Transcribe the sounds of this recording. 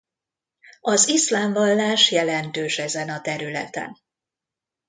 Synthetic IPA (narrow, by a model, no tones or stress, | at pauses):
ɒzislaːɱvɒlːaːʃjɛlɛnt̪øːʃɛzɛnɒt̪ɛɾylɛ̰t̪ɛ̰n